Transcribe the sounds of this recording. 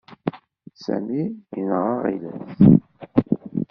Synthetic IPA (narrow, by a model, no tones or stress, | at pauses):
sæ̰miinʁəʁḭlæs